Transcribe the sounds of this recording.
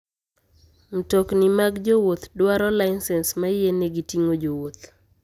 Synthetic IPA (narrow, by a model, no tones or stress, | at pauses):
m̩toknimaɡd͡ʒowot̪dwaɾɔlaɪnsɛnsmajeneɡitiŋod͡ʒowot̪